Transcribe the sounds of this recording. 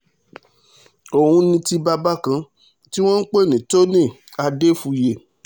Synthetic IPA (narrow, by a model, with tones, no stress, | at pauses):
o˨hũ˧nĩ˧ti˧ba˧ba˦kã˧ | ti˦w̃ɔ̃˦n̩˦k͡pe˦˨nĩ˨to˦nĩ˦˨ | a˧de˦fũ˧je˨